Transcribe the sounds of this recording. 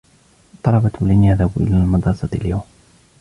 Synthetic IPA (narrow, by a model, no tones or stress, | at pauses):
t̪ˤɑlɑbɑt̪walɪnhaðabʔɪ̰laːlmɑd̪ɾˤɑsɑt̪ljawm